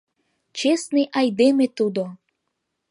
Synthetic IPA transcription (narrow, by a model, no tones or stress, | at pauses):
t͡ʃesniʔajd̪emet̪ud̪o